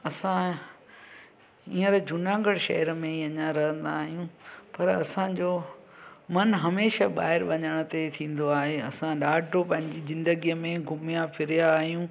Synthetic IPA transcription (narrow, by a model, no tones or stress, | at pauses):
ɐsã | iːə̃ɾed͡ʑʊnãːŋɡəɽ̃ʃɐ̰ɦəɾmẽiɐɲãɾɐɦə̃nd̪aːɦijũpɐɾɐsãd͡ʑoː | mɐnɦɐmeːʃaɓaːɦɪɾʋɐɲəɽ̃ət̪et̪ʰĩːn̆d̪oaːɦeɐsãɗaːɖopɐ̃ɦɪ̃ɲd͡ʑizɪ̃nd̪əɡijəmẽɡʱʊmijãfʰɪɾijaːɦijũː